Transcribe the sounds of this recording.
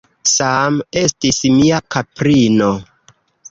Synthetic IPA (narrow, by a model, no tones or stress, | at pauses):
same̞stismiakapɾino̞